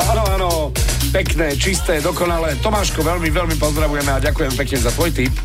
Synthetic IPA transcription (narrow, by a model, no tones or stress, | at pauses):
aːnɔaːnɔ | pɛknɛːt͡ʃist̪ɛːd̪ɔkɔnalɛːt̪ɔmaːʃkɔʋɛlmiʋɛlmipɔzd̪ɾaʋujɛmɛaɟakujɛmpɛkɲɛzat̪ʋɔjt̪ip